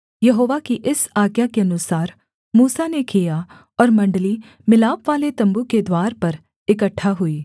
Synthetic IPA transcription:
jɐɦoːʋakiʔɪsaːɡjakeɐnʊsaːɾ | muːsanekija | ɔːɾmɐ̃ɳɖəli | mɪlaːpʋaːlet̪ɐ̃mbuked̪waːɾpɐɾ | ɪkəʈʰːaɦʊiː

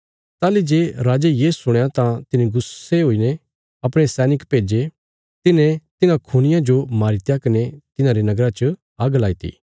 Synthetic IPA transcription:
t̪aːlid͡ʒeːɾaːd͡ʒejeːsʊɽ̃jãt̪ãt̪ɪniɡʊseɦoːine | ɐpɽ̃esɛːnɪkpeːd͡ʒe | t̪ɪnẽt̪ɪnãkʰuɽ̃ɪjãd͡ʒomaːɾit̪jakɐnet̪ɪnãɾenɐɡɾat͡ʃə | aːɡlaːit̪ḭː

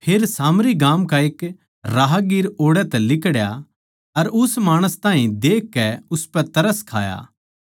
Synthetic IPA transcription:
pʰeːɾsaːmɾiɡaːmkaeːk | ɾaːɦaɡiːɾoːɽɛt̪ɛlɪkɽja | ɐɾʊsmaːɽ̃əst̪ãːɦĩd̪eːkːɛʊspɛt̪ɐɾəskʰa̰ːja̰ː

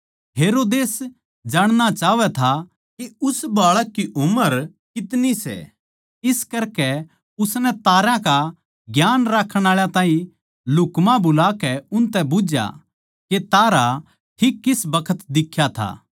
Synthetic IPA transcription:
ɦeːɾoːd̪eːs | d͡ʒaːɽ̃nat͡ʃaːʋɛt̪ʰa | kiʊsbaːɭakːiʔʊməɾ | kɪt̪nisɛ̰ | ɪskɐɾkɛ | ʊsnɛt̪aːɾãka | ɡjaːnɾakʰːəɽ̃aːɭjãt̪ãːĩ | lʊkmãbʱʊlaːkɛʊnt̪ɛbʊd͡ʒja̰ | ket̪aːɾa | ʈʰikːɪsbɐkʰət̪d̪ɪkʰːjat̪ʰa̰ː

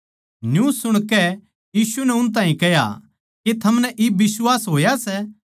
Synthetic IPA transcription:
njuːsːʊɽ̃kɛ | jiːsunɛʊnt̪̬ãːĩkɛɦja̰ | ket̪ʰɐmnɛʔɪbɪswaːsɦoːjasɛ

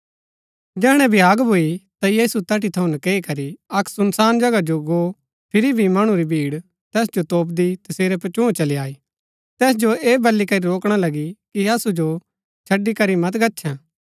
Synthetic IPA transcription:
d͡ʒɛːɽ̃ɛ̃bʱɪjaːɡbʱoit̪ajiːsut̪ɐʈit̪ʰɐũnɐkeːikɐɾiɐksʊnsaːnd͡ʒɐɡad͡ʒoɡoː | pʰɪɾibʱimɐɽ̃ũɾibʱiːɽ | t̪ɛːsd͡ʒot̪oːp̬̚d̪it̪ɐseːɾɛp̬ɐɾt͡ʃũːt͡ʃɐliaːiː | t̪ɛːs̬d͡ʒoeːbɐlːikɐɾiɾoːkɽ̃alɐɡikiɐsud͡ʒo | t͡ʃʰɐɖːikɐɾimɐt̪ɡɐtːʃʰɛ̃ː

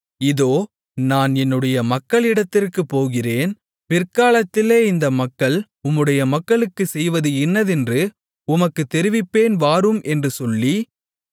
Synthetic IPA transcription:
ɪðoː | naːnɛnːɯɽɐjɐmɐkːɐɭɪɽɐt̪ːɪrkɯpːoːɣɪreːn | pɪrkaːlɐt̪ːɪleːɪnd̪ɐmɐkːɐɭ | ʊmːɯɽɐjɐmɐkːɐɭɯkːɯsɛjʋɐðɯɪnːɐðɛndrɯ | ʊmɐkːɯt̪ːɛɾɪʋɪpːeːnʋaːɾɯmʔɛndrɯsɔlːi

